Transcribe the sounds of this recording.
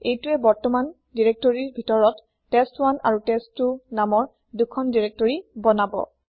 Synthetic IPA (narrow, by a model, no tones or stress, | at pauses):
ejtuɛbɔɹtɔman | diɹek̚tɔɹiɹbʱitɔɹɔt | tːestwana̰ɹutestːunamɔɹ | dukʰɔndiɹek̚tɔɹibɔnabɔ̰